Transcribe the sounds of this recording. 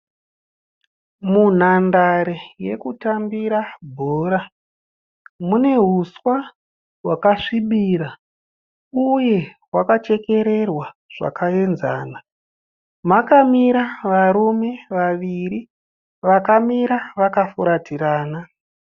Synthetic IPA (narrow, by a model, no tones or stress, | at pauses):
mun̤andaɾeje̞̰kutambiɾabʱoːɾa | mune̞ɦuswa | ɦwakaʂiɓiːɾa | uje̞ɦwakat͡ʃe̞ke̞ɾe̞rwaʐ̥a̰kae̞nza̰ːna | makamiɾaʋaɾume̞ʋaʋiɾi | ʋakamiɾaʋakafuɾatʰiɾaːna